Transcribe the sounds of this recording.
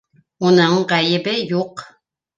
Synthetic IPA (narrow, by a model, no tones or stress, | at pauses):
unɤɴʁæjɘ̆bɘjuq